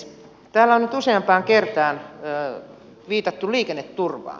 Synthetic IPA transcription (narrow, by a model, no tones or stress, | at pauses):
t̪æːlːæonnyt̪useɑmpɑːŋkert̪ɑːn | ʋiːt̪ɑt̪ːuliːkenːet̪turʋɑ̰ː